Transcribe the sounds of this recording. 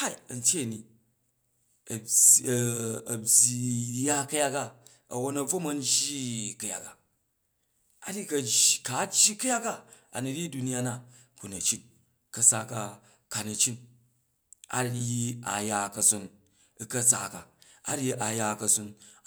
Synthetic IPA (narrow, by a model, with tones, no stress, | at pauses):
ha˦i˨ɐ˨n̩˦tʲje˦˨ni˨ | ɐ˨bʲi˨ja˦kɐ˦ja˦ka˦ | ɐ̰˨wo˦nɐ˨b͡vo˦mɐ˦n̩˦d͡ʒi˦kɐ˨ja̰˨ka˨ | a˨˦ɾi˦kɐ˨ka˨˦t͡ʃːi˦kɐ˦ja˦kːa˦a̰˨nu˨ɾʲi˦du˧ni˦a˦na˨ | ku˨nɐ˨t͡ʃi˦t̚ | kɐ˨˧sa˦ka˧ | ka˨nɐ˨t͡ʃi˦n | a̰˦i˦a̰˨ja˨kɐ˨so˦n | i˦kɐ˦t͡sa̰˨ka˨a̰˦ɾi˦ʔa˨ja˨kɐ˨so˧n